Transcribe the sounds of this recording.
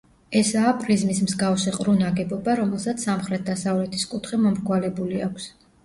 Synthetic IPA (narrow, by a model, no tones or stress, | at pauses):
ɛsaːpʼɾizmismzɡafsiqʼɾunaɡɛbɔbaɾɔmɛlˠsat̪sʰsamχɾɛt̪̚d̪asavlɛt̪ʰi̥skʼut̪ʰχimɔmɾɡwalɛbuliakʰs